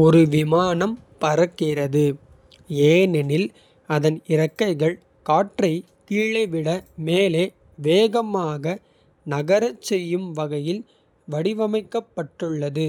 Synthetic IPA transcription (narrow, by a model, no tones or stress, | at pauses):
ɔɾɯʋɪmaːnɐm | pɐɾɐkːɪrɐðɯ | eːnɛnɪl | ɐðɐnɪɾɐkːɐɪɣɐɭ | kaːʈrɐɪ | kiːɭɐɪʋɪɽɐmeːleː | ʋeːɣɐmaːɣɐ | nɐɣɐɾɐt͡ʃt͡ʃːsɛjːɯmʋɐɣɐjɪl | ʋɐɽɪʋɐmɐɪkːɐpːɐʈːɯɭːɐðɯ